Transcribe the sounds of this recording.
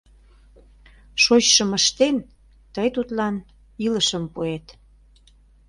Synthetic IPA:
ʃot͡ɕʃəməʃt̪en | t̪əjt̪ut̪lɑn | iləʃəmpuet̪

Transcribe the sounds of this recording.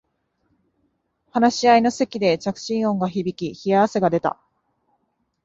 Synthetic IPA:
hanaɕiaino̞se̞kʲid̪e̞t͡ɕakɯ̟̥ɕĩɰ̃õ̞ŋɡaçibʲikʲiçiaβase̞ɡad̪e̞t̪a̰

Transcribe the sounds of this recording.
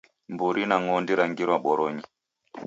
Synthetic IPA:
mbuɾinaŋɔndiɾaŋɡiɾwaɓɔɾɔɲi

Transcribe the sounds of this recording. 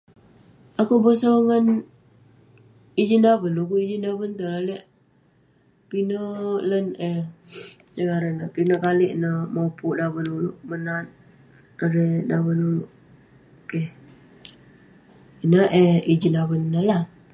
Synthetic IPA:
akubəsaŋən | id͡ʒindabənluk̬uid͡ʒindabənt̪ulalɛʔ | pinələne | səŋaɾənəkinəkaliʔnəmopuʔdaβənuluʔmənat̪̚ | əɾedaβənuluʔ | ke | inəʔeid͡ʒinaβənːəla

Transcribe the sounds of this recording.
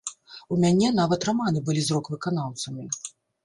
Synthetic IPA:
umʲanʲɛnavɐt̪raman̪ɨbɨlʲizɾɔkvɨkan̪awt̪sɐmʲi

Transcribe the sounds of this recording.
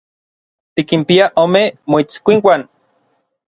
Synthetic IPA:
t̪ikimpiaʔoːmemoit͡skʷiŋwan

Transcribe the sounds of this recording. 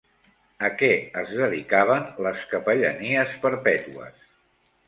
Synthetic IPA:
əkɛəzðəðikaβ̞ənləskəpəʎə̰niəspəɾpɛt̪uə̰s

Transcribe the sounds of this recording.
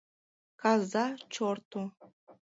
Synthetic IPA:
kɑzɑt͡ɕort̪u

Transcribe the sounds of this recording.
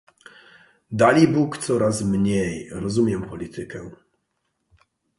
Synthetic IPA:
d̪alʲibukt̪sɔɾasmɲejɾɔzumʲjɛmpɔlʲit̪ʰɘkɛ

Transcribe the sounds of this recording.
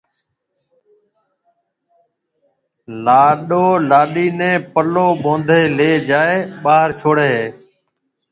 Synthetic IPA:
laːɗoːlaːɗiːnɛ̃ːpəloːɓõːnd̪ʱeːleːd͡ʒaːeːɓaːɾt͡ʃʰoːɽeːɦeː

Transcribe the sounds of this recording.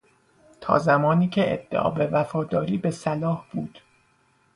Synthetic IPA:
t̪ʰɒ̰ːzæmɒːniːcʰeʔḛd̪̥ːeʔɒ̰ːbe̞væfɒːd̪ɒːɾiːbe̞sælɒːhb̥uːd̪̥

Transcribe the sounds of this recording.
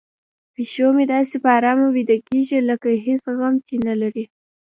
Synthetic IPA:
piʃomed̪ɑsepəɑɾɑmawid̪alkeʒiləkaɦesɣamt͡ʃenalaɾi

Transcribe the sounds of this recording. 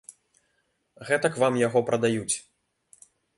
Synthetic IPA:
ɣɛt̪ɐkvamjaɣɔpɾɐd̪ajut͡sʲ

